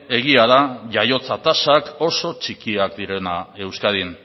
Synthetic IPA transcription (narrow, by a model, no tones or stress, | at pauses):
e̞ɣiaðaʝajo̞t͡sat̪asako̞so̞t͡ʃikiak̚d̪iɾe̞nae̞wskaðin